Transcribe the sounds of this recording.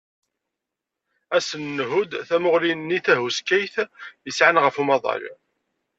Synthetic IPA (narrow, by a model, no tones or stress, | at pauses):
æsənːɦud̪θæmʊʁlinnːiθæɦuskːæjθjəsʕanʁəfumɑðˤɑ̰ɾ